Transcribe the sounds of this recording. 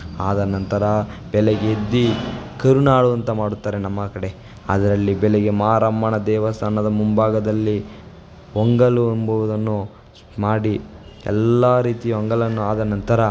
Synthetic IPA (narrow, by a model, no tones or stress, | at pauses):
aːd̪ɐnɐnt̪ɐɾɐb̥ɛleɡeed̪ːikɐɾunaːɭuɐnt̪ɐmaːɽut̪ːaːɾe̞nɐmːɐkɐɽe̞ | ɐ̰d̪ɐɾɐlːibɛleɡe̞mɐaːɾɐmbɐɳɐd̪ɛːʋɐst̪ʰaːnɐd̪ɐmumbaːɡɐd̪ɐlːi | ʋɔŋɡɐɭuɐmbɐʋud̪ɐnːu | maːɽi | ɛ̰lːaːɾiːt̪ijʋɔŋɡɐɭɐnːuaːd̪ɐnɐnt̪ɐɾɐ